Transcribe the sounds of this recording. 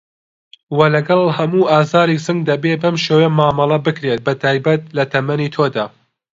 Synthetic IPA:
wɐlɐɡɐlˠhɐmuːʔaːzaːɾisɨŋɡd̪ɐbebɐmʃeːwemaːmɑlˠɐbɨkɾet̪̚bɐt̪ʰaːjbɐt̪̚lɐt̪ʰɐmɐnit̪ʰoːd̪aː

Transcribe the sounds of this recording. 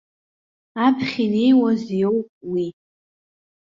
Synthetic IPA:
apʰχʲinijwazjowpʼwi

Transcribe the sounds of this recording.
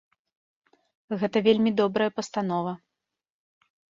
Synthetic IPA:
ɣɛt̪ɐvʲelʲmʲid̪ɔbɾɐjɛpɐst̪an̪ɔvɐ

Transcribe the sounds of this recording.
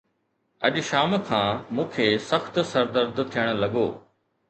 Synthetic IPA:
ɐʄʃaːmkʰãːmũːkʰeːsɐxt̪sɐɾd̪əɾd̪t̪ʰijəɽ̃lɐɠoː

